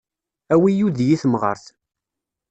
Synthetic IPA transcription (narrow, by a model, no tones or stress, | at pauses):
æwijuðjiθmʁə̰ɾθ